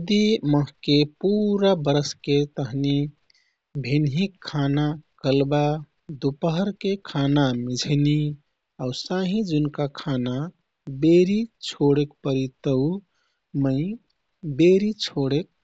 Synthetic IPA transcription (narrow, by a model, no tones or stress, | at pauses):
d̪iməɦkepuɾabəɾsket̪əɦni | bʱinɦikʰːanakəlba | d̪upəɦəɾkekʰanamid͡ʒʱni | ausaɦĩd͡ʒunkakʰana | beɾit͡ʃʰoɽekpəɾit̪əu | məɪ | beɾit͡ʃʰoɽek̚